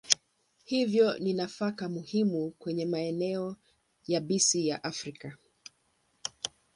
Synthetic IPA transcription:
hivjɔninafakamuhimukwɛɲɛmaɛnɛɔ | jaɓisijaʔafɾika

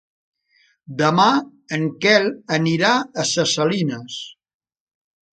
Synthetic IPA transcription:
d̪əma | əŋkɛləniɾaəsəsəlinəs

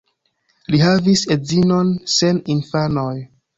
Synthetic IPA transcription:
liɦavise̞zino̞nse̞ninfanoj

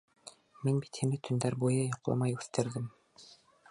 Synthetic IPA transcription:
menbit̪ʰenit̪ʰynd̪æɾbojɑjoqlˠɑ̰mɑjuθt̪ʰeɾd̪im

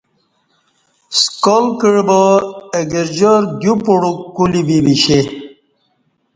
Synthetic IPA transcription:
skolkəɻbəeɡeɾd͡ʑoɾɡjupoɽukulibibiɕe

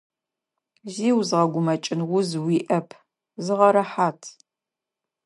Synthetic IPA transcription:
ziːwzʁɐɡʷʊmɐt͡ʃʼɪnʁʷʊzwiːʔɐpʰ | zɨʁɐɾɐħaːtʰ

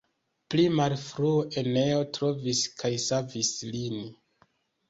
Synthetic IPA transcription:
plimalfɾuoʔe̞neo̞tɾo̞viskʰajsavislin

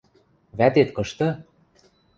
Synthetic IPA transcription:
βæt̪et̪kɤ̆ʃt̪ɤ̆

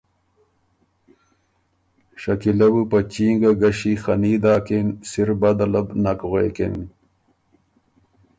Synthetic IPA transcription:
ɕɐkilɐbɨpɐt͡ɕiːŋɡɐɡɐɕixɐniːd̪aːkensiɾbɐd̪ɐlɐbnɐkɣeːken

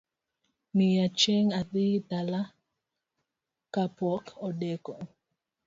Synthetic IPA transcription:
nijat͡ʃeŋad̪it̪ala | kapɔkɔɗɛkɔ

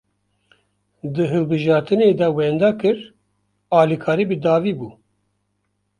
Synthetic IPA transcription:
d̪ɨɦɨlbɨʒɑːɾt̪ɨneːd̪ɛwɛnd̪ɑkɨɾ | ɑːlikʰɑːɾiːbɨd̪ɑːviːbuː

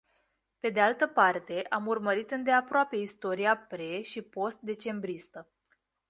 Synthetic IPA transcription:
pe̞d̪ealt̪əpart̪e̞ʔamurməɾit̪ɨnd̪e̞apɾoape̞ist̪o̞ɾiapɾe̞ʃipo̞st̪̚d̪e̞t͡ʃe̞mbɾist̪ə

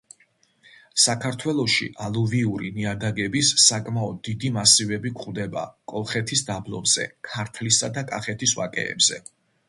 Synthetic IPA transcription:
sakʰaɾt̪ʰwɛlˠɔʃḭʔalˠuviuɾiniad̪aɡɛbisːakʼmaɔd̪ːid̪imasivɛbikχvd̪ɛba̰kʼɔlˠχɛt̪ʰisd̪ablˠɔ̰mz̥ɛ̰kʰaɾt̪ʰlisad̪akʼaχɛt̪ʰiswa̰kʼɛ̰ːbz̥ɛ

